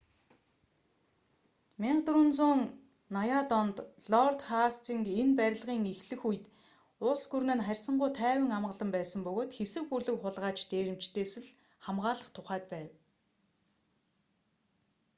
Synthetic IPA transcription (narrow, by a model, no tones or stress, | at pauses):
mʲiɴɢt̪ɾŭnt͡sʊːŋ | najaːt̪ɔnt̪ɮɔrt̪χast̪ʰiŋkenpæɾʲɪ̆ɮʁiːŋixɮɘ̆xuj̆t̪ | ʊɮsɡurnɘ̆nχærʲsə̆ɴɢʊjt̪ʰæːwə̆ŋamɢə̆ɮə̆mpæːsə̆mpɵɣoːt̪xesɘ̆kxuɮɘ̆kχʊɮʁaːt͡ɕt̪eːɾɘ̆mt͡ɕt̪ʰeːsɘ̆ɮ | χamʁaːɮə̆χt̪ʰʊχæːt̪pæːw